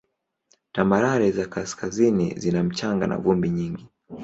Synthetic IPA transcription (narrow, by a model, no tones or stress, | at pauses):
tamaɾaɾɛzakaskazinḭzinam̩t͡ʃaŋɡa̰na̰vumbiɲiŋɡi